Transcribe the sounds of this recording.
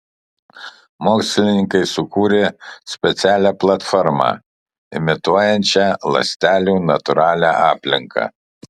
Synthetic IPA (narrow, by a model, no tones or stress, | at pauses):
moːksʲlʲɪnʲɪŋkɐɪsʊkuːɾʲesʲpʲɛt̪sʲæːlʲæːplˠɐt̪fɔɾmɑ̰ | ɪ̰mʲɪt̪uɔjɛnʲt͡ʃʲɛlˠɐ̰sʲt̪ʲæːlʲuːnɐt̪ʊɾɑːlʲæʔɑːpʲlʲɪŋkɑ̰ː